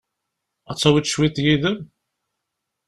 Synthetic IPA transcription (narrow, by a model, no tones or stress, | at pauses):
ɑt͡sːɑwit̪ʃwit̪jiðəm